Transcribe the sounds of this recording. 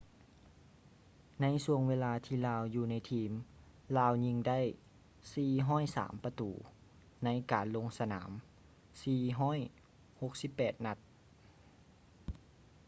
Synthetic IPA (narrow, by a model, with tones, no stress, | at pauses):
na˧˥jsu˧˩əŋweː˧laː˧t̪ʰiː˧˩laː˧wjuː˧na˧˥jt̪ʰiː˧m | laː˧wɲi˧ŋda˥˨j | siː˧˩ɦɔː˥˩˨jsa̰ː˩˦mpa˧t̪uː˨˩ | na˧˥jkaː˨˩nlo˧ŋsa˧na̰ː˩˦m | siː˨˧˩ɦɔː˥˨j | ho˧˦k̚si˧˦pːɛː˨˩t̪̚na˧˥t̪̚